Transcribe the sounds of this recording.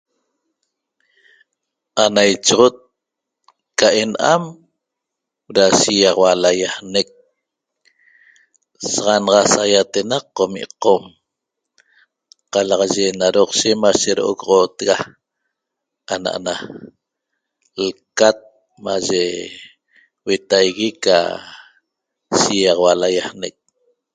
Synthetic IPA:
anajt͡ʃoʁot̪̚ | kaʔe̞nʔa̰m | ɾaʃijɑʁwalajahnek̚ | sɑʁɑnʁɑsajat̪enaqːomḭʔqom | qɑlɑʁɑʒenaɾoqʃemaʃeɾoʔoɣʁot̪ɣa | ana̰ʔa̰na | lkat̪̚ | maʒe | we̞t̪ajɣika̰ | ʃijɑʁɑwalajahnek̚

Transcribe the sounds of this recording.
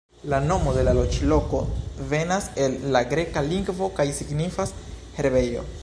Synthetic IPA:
lano̞mo̞d̪e̞lalo̞t͡ʃilo̞ko̞ve̞nase̞lːaɡɾe̞kaliŋɡvo̞kajsiɡnifas | he̞ɾbe̞jo̞̰

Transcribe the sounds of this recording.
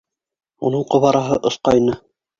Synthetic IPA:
unɤɴqŏβɑɾɑɦɤʔŏsqɑjnɤ

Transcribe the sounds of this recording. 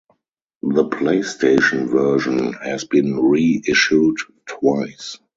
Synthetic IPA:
ðəpʰleɪstʰeɪʃə̃nvɜ˞ʒə̃nhɛzbĩnɹiɪʃut | tʰwaɪs

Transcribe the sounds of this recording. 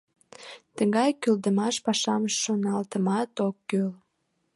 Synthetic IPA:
t̪əɣɑjkøld̪əmɑʃpɑʃɑməʃːonɑlt̪əmɑt̪okːøl

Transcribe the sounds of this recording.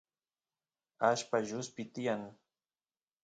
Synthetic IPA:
aʃpaʒʊspɪt̪ɪjaŋ

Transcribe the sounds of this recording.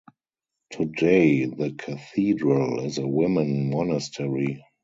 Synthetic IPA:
tʰudeɪðəkʰaθiːdɹəlɪzəwɪ̃mə̃nmɔnəstʰɛɹi

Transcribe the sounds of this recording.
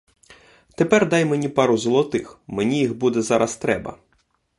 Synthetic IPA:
t̪epɛrd̪ɑjmenʲipɑɾʊzɔlˠɔt̪ɪxmenʲijixbud̪ɛzɑɾʔɐst̪ɾɛbɐ̰

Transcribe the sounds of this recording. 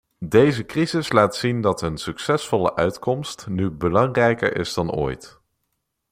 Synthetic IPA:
dejzəkrizɪslaːtsindɑtənsyksɛsfɔlə̰ʔœɥtkɔmstnybəlɑŋrɛjkə̰ɹɪ̰zdɑno̰ːjt

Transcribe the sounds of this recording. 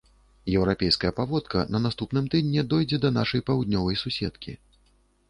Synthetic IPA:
jɛwɾapʲɛjskɐjɐpavɔt̪kɐnɐnast̪upnɨmt̪ɨd̪ʲnʲɛd̪ɔjd͡zʲɛd̪ɐnaʂɐjpawd̪nʲɔvɐjsusʲɛt̪kʲḭ

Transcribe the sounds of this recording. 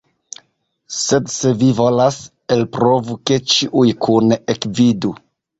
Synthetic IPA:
se̞dse̞vivo̞las | elpɾo̞vuke̞t͡ʃiʔujkʰunekvidu

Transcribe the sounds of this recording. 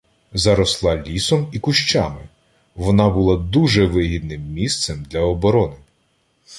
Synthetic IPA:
zɐɾɔslˠɑlʲisɔmikʊʃt͡ʃɑmɪ | ʋɔnɑbʊlˠɑd̪uʒɛʋɪɦʲid̪nɪmːʲist̪sɛmd̪lʲɐɔbɔɾɔnɪ

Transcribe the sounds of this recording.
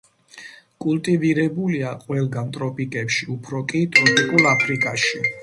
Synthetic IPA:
kʼulˠt̪ʼiviɾɛbuliaqʼwɛlˠɡant̪ʼɾɔpʼikʼɛpʃiupʰɾɔkʼit̪ʼɾɔpʼikʼulˠapʰɾikʼaʃi

